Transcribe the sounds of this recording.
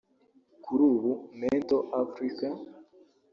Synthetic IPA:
kʰuɾuːβunentoʔafɾika

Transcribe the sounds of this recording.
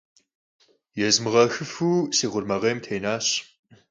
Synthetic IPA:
jɛzmɨʁɐxɨfuːsiːʁʷʊrmɐʁeːmtʰejnaːɕ

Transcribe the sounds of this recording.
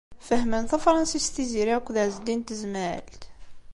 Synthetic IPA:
fəhmənθæfɾˤɑnsist̪iziɾikʷːðaʕzd̪int̪əzməʕə̰lt̪

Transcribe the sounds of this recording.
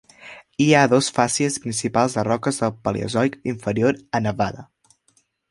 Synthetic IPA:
iaðɔsfasiəspɾinsipalˠzðərɔkəzðəlˠpəlḭə̰zɔjkiɱfəɾioɾənəβaðə̰

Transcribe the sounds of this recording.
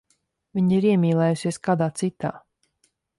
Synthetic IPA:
vʲiɲiɾiɛmʲiːlˠɛːjusiɛskaːd̪aːt̪sit̪a̰ː

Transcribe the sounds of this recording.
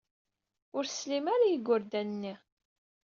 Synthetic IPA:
ʊɾslimaɾajəɡːʊɾd̪ænənːi

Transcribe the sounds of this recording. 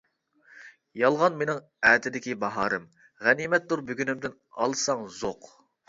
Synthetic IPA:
jɑlˠʁɑnmenɪŋ | ɛːt̪ʰɪd̪ɪkʲibɑɦɑːɾɨm | ʁænimɛt̪̚d̪uɾbøɡʲynɪmd̪ɪn | ɑ̰lˠsɑŋzoq

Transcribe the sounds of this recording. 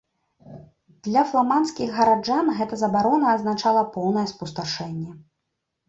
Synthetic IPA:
d̪lʲɐflˠamanskʲiɣɣɐɾad͡ʐanɣɛt̪ɐzɐbaɾɔnɐːznat͡ʂalˠɐpɔwnɐjɛspust̪aʂɛnʲːɛ

